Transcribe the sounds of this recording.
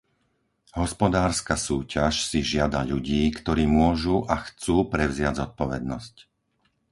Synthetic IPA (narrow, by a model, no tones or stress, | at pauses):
ɦɔspɔd̪aːɾskasuːcaʃsiʒɪad̪aʎuɟiːkt̪ɔɾiːmʊɔʒuʔaxt͡suːpɾɛʊzɪaɟzɔt̪̚pɔʋɛd̪̚nɔsc